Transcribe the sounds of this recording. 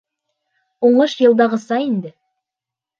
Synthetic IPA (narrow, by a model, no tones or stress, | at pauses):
oɴəʃjəlˠd̪ɑʁəsɑjend̪ɪ